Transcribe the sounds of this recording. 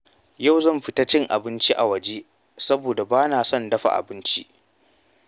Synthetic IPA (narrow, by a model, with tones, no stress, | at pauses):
ja˦˨wzɐ˦˨mɸɪ˦ta˦t͡ʃɪ˦ŋʔa̰˨bɪ˦nt͡ʃi˦ʔa˨wɐ˨d͡ʒeː˦ | sɐ˦boː˨da˨baː˦naː˨sɔ˦˨ndɐ˦ɸa̰˨ʔa̰˨bɪ˦nt͡ʃi˦ʔ